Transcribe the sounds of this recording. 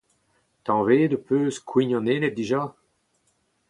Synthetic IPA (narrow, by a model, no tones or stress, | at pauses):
t̪ɑ̃veːd̪əpʰøːskʰwiɲɔ̃neːnet̪̚d̪iʒa